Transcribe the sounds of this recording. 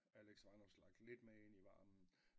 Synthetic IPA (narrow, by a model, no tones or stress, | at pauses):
æleɡ̥sʋɑ̈nɒslɑ̈ɡ̥d̥le̝d̥meeniʋɑ̰̈ːmn̩